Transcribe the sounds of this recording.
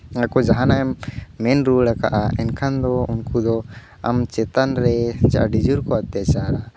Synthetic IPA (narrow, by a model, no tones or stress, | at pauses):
akɔd͡ʒaɦanajmmɛnɾuɽaka̰ʔaɛ̰nkʰand̪ɔunkud̪ɔ | a̰mt͡ʃɛt̪anɾɛt͡ʃa̰ʔɖid͡ʒuɾkɔat̪at͡ʃaɾa